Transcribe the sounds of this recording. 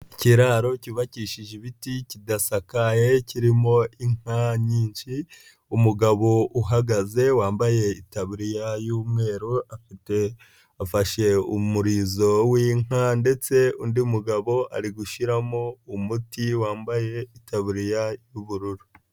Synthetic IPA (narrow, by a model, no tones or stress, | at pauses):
ciɾaɾo̞ciβaciːʃiʒeβiticidasakaje̞ciɾimo̞iŋ̥aɲiːɲʃi | umuɡaβo̞ʔuɦaɡaze̞waːmbaje̞itaβuɾijajuːmŋe̞ːɾoafite | afaʃe̞umuɾiːzo̞wiːŋ̥ande̞t͡se̞undiumuɡaβo̞a̰ɾiɡuʃiɾamo̞umutiwaːmbaje̞itaβuɾijajuβuɾuɾu